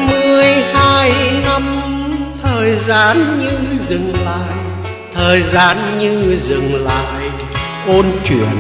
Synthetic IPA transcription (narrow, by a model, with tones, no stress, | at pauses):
mɨ˨˩əjhaː˧jna˧mt̪ʰəː˨˩jzaː˧nɲɨ˧zɨ˨˩ŋla̰ː˧˨j | t̪ʰəː˨˩jzaː˧nɲɨ˧zɨ˨˩ŋla̰ː˧˨j | ʔo˧nt͡ɕwḭ˧˨˩ən